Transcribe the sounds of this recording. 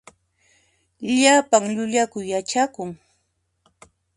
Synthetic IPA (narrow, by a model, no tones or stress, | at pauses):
ʎapaŋʎʊʎakʊjat͡ʃakʊŋ